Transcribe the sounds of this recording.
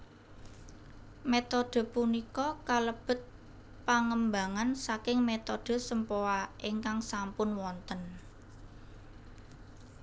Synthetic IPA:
met̪ɔd̥ə̤punikɔkaləb̥ə̤t̪̚ | paŋəmbaŋansakɪŋmet̪ɔd̥ə̤səmpoaʔiŋkaŋsampʊnwɔnt̪ən

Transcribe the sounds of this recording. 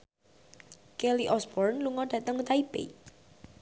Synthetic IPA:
keliʔɔsb̥ɔrnluŋɔɖ̥ä̤t̪əŋut̪aibḛ

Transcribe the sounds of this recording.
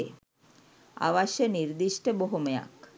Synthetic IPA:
e | a̰ʋaʃeniɾd̪iʃʈeboɦumeja̰k

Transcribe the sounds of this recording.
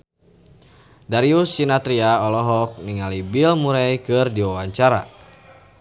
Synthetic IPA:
daɾiusinat̪ɾiaɔlɔɦɔk̚niŋalibilmuɾɛjkɨrdiwawaɲt͡ʃaɾa̰

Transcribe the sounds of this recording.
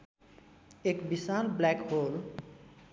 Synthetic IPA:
ekbisalblɛkhol

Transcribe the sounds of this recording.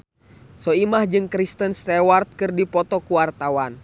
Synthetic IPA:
sɔimahd͡ʒɨŋkɾist̪ənst̪ɛwart̪̚kɨrdipɔt̪ɔkuwart̪awan

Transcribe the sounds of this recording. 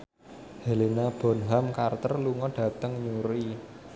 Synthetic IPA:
helinab̥ɔ̤nɦamkart̪ərluŋɔɖ̥a̤t̪əŋɲuɾi

